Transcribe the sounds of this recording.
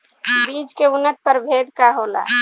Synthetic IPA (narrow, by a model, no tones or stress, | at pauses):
biːd͡ʒkeʊnːət̪̚pəɾbʱed̪ʱkaɦola̰